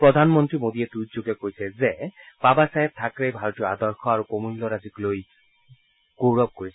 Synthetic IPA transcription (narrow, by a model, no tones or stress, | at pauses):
pɹɔd̪ʱanmɔntɹimodiɛtudzoɡɛkojsɛzeb̥abasaɦɛb̚tʰakɹejbʱaɹɔtijɔad̪ɔɹxɔaɹukomulːɔɹazikloj | ɡ̥owɹɔb̚koɹis